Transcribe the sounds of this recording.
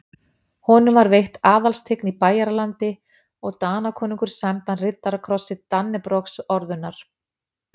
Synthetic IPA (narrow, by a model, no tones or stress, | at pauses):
hɔːnʏmvaɾvejht̪aːðalst̪ʰeknipaːjaɾalant̪ɪ | ɔɣt̪aːnakʰɔːniŋkʏɾ̥samt̪anrɪt̪ːaɾakʰɾɔsːɪt̪anːɪpɾɔksɔɾðʏnːaɾ̥